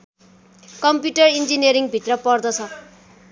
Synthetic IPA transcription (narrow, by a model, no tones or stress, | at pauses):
kʌmpjuʈʌrind͡zineɾiŋbʱit̪rʌpʌrd̪ʌt͡sʰʌ